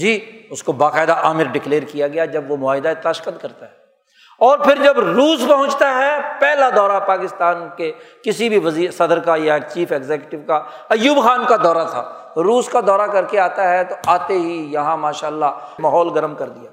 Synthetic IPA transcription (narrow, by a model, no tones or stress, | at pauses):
d͡ʒiːʊskobaːqaːɪd̪aʔaːmɪɾɖɪkleːɾkijaɡɐjad͡ʒɐbʋomʊaːɦɪd̪aet̪aʃkəd̪̚kɐɾt̪aɦɛː | ɔːɾpʰɪɾd͡ʒɐbɾuːspɐɦʊ̃t͡ʃt̪aɦɛpɛːlad̪ɔːɾapaːkɪst̪aːnkekɪsibʱiʋɐziːɾsɐd̪əɾkajat͡ʃiːfeːɡzeːkjʊʈɪʋka | ɐjːuːbxaːnkad̪ɔːɾat̪ʰa̰ː | ɾuːskad̪ɔːɾakɐɾkeaːt̪aɦɛt̪oaːt̪eɦijɐɦãmaːʃaːəlːamaːɦɔːlɡɐɾəmkɐɾd̪ijaː